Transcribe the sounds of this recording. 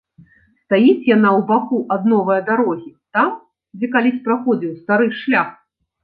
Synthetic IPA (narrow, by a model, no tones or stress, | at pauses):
st̪ajit͡sʲjanawbakuʔad̪nɔvɐjɐd̪aɾɔɣʲit̪am | d͡zʲɛkalʲisʲpɾaxɔd͡zʲiwst̪aɾɨʂlʲax